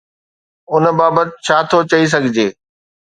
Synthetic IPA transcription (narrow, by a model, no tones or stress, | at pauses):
ʊn̆baːbət̪ɪt͡ɕʰaːt̪ʰot͡ɕɐis̬ɐɡʱɪd͡ʑeː